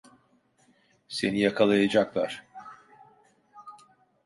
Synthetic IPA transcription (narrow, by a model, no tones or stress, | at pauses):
se̞̰nijakʰalˠajad͡ʒaklˠaɾ̥